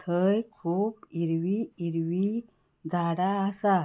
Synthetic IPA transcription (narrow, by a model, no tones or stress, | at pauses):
t̪ʰəjkʰuːpiɾʋiiɾʋi | d͡zʱaɽaːsa